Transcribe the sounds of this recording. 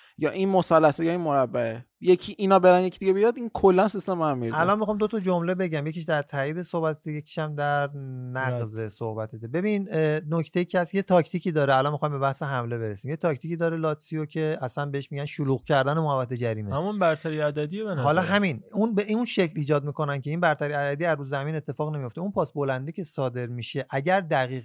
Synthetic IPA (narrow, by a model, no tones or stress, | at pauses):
jɒːʔinmosælːæsejɒːinmoɾæbːæe | jecʰiʔinɒːbe̞ɾænjecʰid̪iɟeejɒd̪inkʰolːænsist̪embohamːiɾiællɒnmexɑːmd̪o̞t̪ʰɒd͡ʒomlebe̞ɟæmjekʰiʃ̬d̪æɾt̪ʰæːiːd̪e̞sohbæt̪ʰed̪eje̞cʰi̥ʃæmd̪æɾnæɡzesohbæt̪ʰed̪ebe̞binnocʰt̪e̞icʰeæsjet̪ʰɒcʰt̪ʰiːciːd̪ɒːɾeælɒnmexɒjmbe̞bæhse̞ɦæmle̞be̞ɾesiːmje̞t̪ʰɒct̪iciːd̪ɒːɾelɒːt̪sijocʰe̞æsænbeeʃmiɟænʃuluːɣcʰæɾd̪ænemoævːæt̪ed͡ʒæɾiːmehmunbæɾt̪ʰæɾiæd̪æd̪ievænhɒːlɒɦæminunbeʔinʃe̞cliːd͡ʒɒːd̪̚miːko̞næncʰe̞inbæɾt̪ʰæɾiæd̪æd̪iæzːuːzæmine̞t̪ʰːe̞fɒːɣne̞mijo̞ft̪eunpʰɒːsbo̞lænd̪icʲʰe̞sɒːd̪e̞ɾmiːʃe̞ʔæɟæɾd̪æɣiːɣ